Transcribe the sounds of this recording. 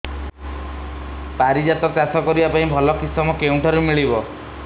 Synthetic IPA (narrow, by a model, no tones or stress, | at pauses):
paɾid͡ʒat̪ɔkasɔkɔɾibapaĩbʱɔlɔkisɔmɔkeuɳʈʰɔɾumiɭibɔ